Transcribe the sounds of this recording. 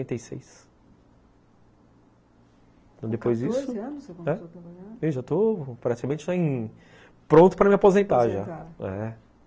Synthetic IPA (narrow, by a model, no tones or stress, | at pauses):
ẽnt̪ejsḛjs | t̪ɐ̃w̃d̪epojzd͡ʒisʊɐ̃nʊsekõɛoɐmaɐewʒat̪opɾat͡ʃi̥kamẽt͡ʃɪsɔẽ | pɾõnt̪ʊ̥pɾɐmiapozẽnt̪aʒaaɛ̰